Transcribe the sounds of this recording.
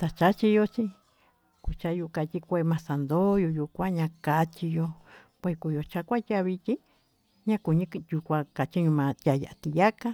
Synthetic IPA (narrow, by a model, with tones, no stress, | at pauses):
t̪a˧t͡ʃa˦t͡ʃi˧jo˧t͡ʃi˧ | ku˧t͡ʃa˧ju˧ka˧t̪ʲi˧kʷe˧mã˧sa˨nd̪o˦jo˧ju˧kʷã˦ɲã˧ka˧t͡ʃi˧jo˧ | kʷe˧ku˧˨jo˧t͡ʃa˧kʷa˦tʲa˧βi˧t̪ʲi˦ | ɲã˦ku˨ɲĩ˧ju˧kʷã˧ka˨t͡ʃi˦ɲũ˧mã˧t̪ʲja˧˨ja̰˨ʔa˧t̪i˧ja˦ka˦